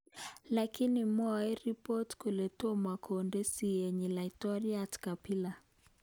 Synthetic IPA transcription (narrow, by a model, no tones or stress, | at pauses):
lakinimɔɛɾipɔtkulɛtɔmakʰɔndesieɲilaitɔɾiatkapila